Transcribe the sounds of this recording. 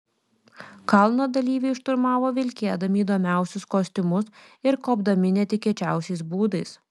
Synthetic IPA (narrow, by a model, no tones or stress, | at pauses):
kɐlˠnoːd̪ɐlʲiːʋʲɛɪʃt̪ʊɾmɑːʋoːʋʲɪlʲkʲeɛd̪ɐmʲɪiːd̪oːmʲæˑʊsʲʊskoːsʲt̪ʲɪmʊs | ɪɾkoːbd̪ɐmʲɪnʲet̪ʲɪkʲɛt͡ʃʲæˑʊsʲɛɪsbuːd̪ɐɪs